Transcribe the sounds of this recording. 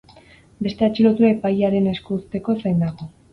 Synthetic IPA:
be̞st̪e̞at͡ʃilo̞t̪uaepajaɾe̞ne̞skust̪e̞ko̞esajnd̪aɣo

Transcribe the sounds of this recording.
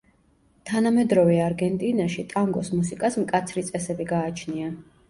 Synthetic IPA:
t̪ʰanamɛd̪ɾɔvɛaɾɡɛnt̪ʼinaʃit̪ʼaŋɡɔ̰smusikʼasmkʼat̪sʰɾit̪sʼɛsɛbiɡaːt͡ʃʰnia

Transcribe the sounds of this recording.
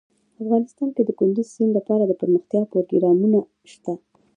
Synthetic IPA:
afɣɑnɪst̪ɑnked̪əkʊnd̪izsinlapɑɾad̪əpəɾməxt̪jɑpoɾɡiɾɑmuna | ʃt̪a

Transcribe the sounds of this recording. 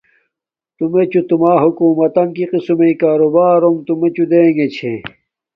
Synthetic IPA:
t̪umet͡ɕut̪umaːɦukuːmɐt̪ɐnkiqisumeikaːɾobaːɾomt̪umet͡ɕud̪eːŋɡet͡ɕʰḛ

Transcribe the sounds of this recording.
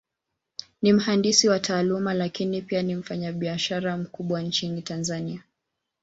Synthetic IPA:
nim̩handisiwataːlumalakinipianim̩faɲaɓiaʃaɾam̩kuɓwant͡ʃinitanzania

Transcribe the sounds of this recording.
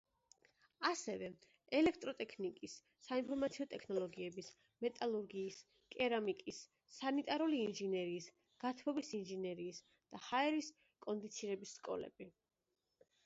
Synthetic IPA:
asɛvɛ | ɛlɛk̚ʰt̪ʼɾɔt̪ʼɛkʰnikʼisː | ainpʰɔɾmat̪sʰiɔt̪ʼɛkʰnɔlˠɔɡiɛbis | mɛt̪ʼalˠuɾɡiːs | kʼɛɾamikʼisː | anit̪ʼaɾuliːnʒinɛɾiːs | ɡ̥at̪ʰwɔbisinʒinɛɾiːs | d̪̥ahaɛɾis | kʼɔnd̪it̪sʰiɾɛbisːkʼɔ̰lɛ̰bi

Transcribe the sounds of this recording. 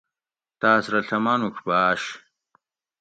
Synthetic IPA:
t̪aːsɾɐɬɐmanukʰbaːɕ

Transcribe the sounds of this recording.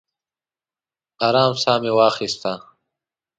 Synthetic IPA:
aːɾaːmsaːmewaːxist̪a

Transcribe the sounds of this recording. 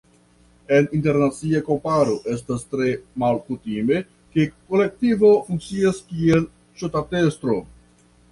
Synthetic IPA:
e̞ninte̞ɾnat͡siako̞mpaɾo̞ʔe̞s̬tastɾe̞malkutime̞ | ke̞ko̞le̞k̚tivo̞fuŋk̚t͡siaskie̞l | t͡ʃotate̞stɾo̞

